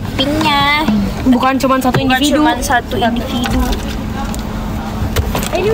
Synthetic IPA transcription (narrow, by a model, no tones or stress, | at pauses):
piɲa | bukant͡ʃumansat̪uind̪ifid̪unsat̪uindivid̪u